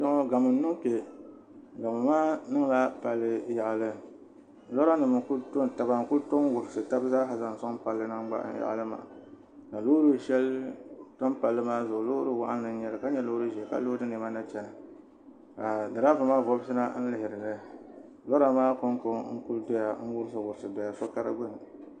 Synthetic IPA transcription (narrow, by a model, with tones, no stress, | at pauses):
ʃɔ˦ŋɔ˦ɡa˨mɨ˨n˦nɨ˦ŋpe˨ | ɡa˨mɨ˨maː˦nɨ˦ŋ˦la˦pa˨lːɨ˦ja˨ʔa˨lɨ˦˨ | lɔ˦ɾa˦nɨ˨mɨ˨ku˦lto˦nta˨ba˨ŋ˨ku˦lto˦ŋwʊ˨ɾsɨ˨ta˦bzaː˦ɦa˨za˨ŋ˨sa˦ŋpa˨lːɨ˦na˦ŋ˦ɡ͡ba̰˦ʔja̰˨ʔa̰˨lɨ˦ma̰˨ | ka˨lo˦ɾɨ˦ʃɛ˦ltɔ˦mpa˨lːɨ˦maː˦zʊ˨lo˦ɾɨ˦wa̰˦ʔa˦n˦nɨ˨˦ɲɛ˨ɾɨ˨ka˦ɲɛ˦lo˦ɾɨ˦ʒɛ˨lka̰˦lo˦dɨ˦ne˨ma˦na˦t͡ʃɛ˨na˨ | ka˨dɨ˨ɾa˦va˨maː˦vɔ˦bɨ˦sɨ˦na˦n̩˦lɪ˨ɪ˨ɾɨ˨lɨ˦ | lɔ˦ɾa˦maː˦ko˦ŋ˦ko˦ŋŋ̩˦ku˦ldɛ˦ja˨ŋ̩˦wʊ˦ɾɨ˦s̬ɨ˨wʊ˨ɾsɨ˨dɛ˨ja˨sɔ˦ka˦ɾa̰˦ɡ͡bʊ˦n˨